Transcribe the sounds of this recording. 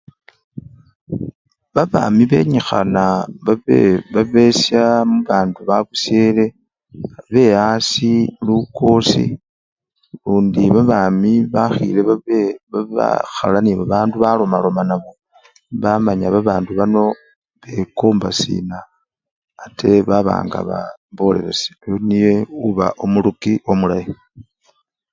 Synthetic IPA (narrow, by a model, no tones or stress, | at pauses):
βaβa̰ːmiβe̞̰ɲixa̰naβaβeβaβe̞sjamuβaːnduβakusjeːle̞ | βe̞asiluko̞sḭ | luːndiβaβamiβaxḭleβaea̰xa̰laniβaβaːnduβalo̞malo̞manaβo̞ | βamaɲaβaβaːnduβano̞ | βekoːmbasḭːnaː | tʰe̞βaβa̰ːŋɡa̰βa̰βo̞le̞̰ɾesi̥onije̞uβa̰ʔomulukio̞mulaji